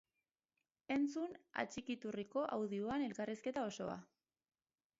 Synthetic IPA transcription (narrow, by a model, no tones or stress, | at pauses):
e̞nt͡suna̰t͡ʃikit̪uriko̞ʔawðioane̞lkariske̞t̪ao̞so̞a̰